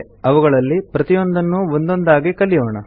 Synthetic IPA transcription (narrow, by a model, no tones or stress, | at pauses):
ɐʋuɡɐɭɐlːipɾɐt̪ijo̞nd̪ɐnːuond̪o̞nd̪aːɡikɐlːijoːɳɐ